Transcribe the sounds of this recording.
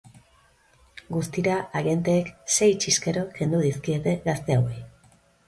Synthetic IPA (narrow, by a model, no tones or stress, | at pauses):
ɡust̪iɾaaɣje̞nt̪e̞ːkse̞jt͡ʃiske̞ɾo̞ke̞nd̪uðiskie̞t̪e̞ɣast̪e̞awe